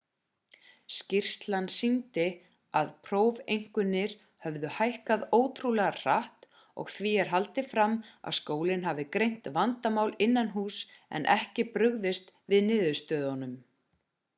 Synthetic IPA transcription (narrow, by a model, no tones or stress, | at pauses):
scɪr̥st̪lansint̪ɪ | aðpʰɾowvejŋ̥kʏnːɪɾ̥ | hœvðʏhajhkaðoːwt̪ʰɾulɛɣar̥aht̪ | ɔ̰ɣθviɛɾ̥ɦalt̪ɪfɾamːa̰ðskoːwlɪnɦavɪkɾejn̥t̪vant̪amaːwlɪnːanɦuːsɛ̰nʔɛhcɪpɾʏɣðɪst̪vɪðnɪːðʏst̪œːðɔnʏm